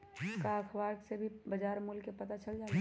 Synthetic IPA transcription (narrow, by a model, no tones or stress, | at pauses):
kakʰwaːɾksebʱibɐd͡ʒaːɾmulkːepɐt̪at͡ʃəld͡ʒaːle